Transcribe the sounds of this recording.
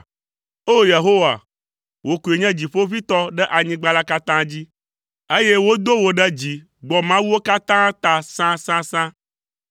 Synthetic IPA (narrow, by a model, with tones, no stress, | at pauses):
o˦je˨ɦo˦wa˨ | wo˨ku˨e˨ɲɛ̃˦d͡ʑi˨ɸo˦vi˦t̪ɔ˦ɖɛ˦ʔa˨ɲĩ˦ɡ͡ba˦la˦ka˦t̪ã˦d͡ʑi˦ | e˦je˦wo˦d̪o˦wo˨ɖɛ˦d͡ʑi˨ | ɡ͡bɔ˨mã˦wu˦wo˦ka˦t̪ã˦t̪a˨sã˦sã˦sã˦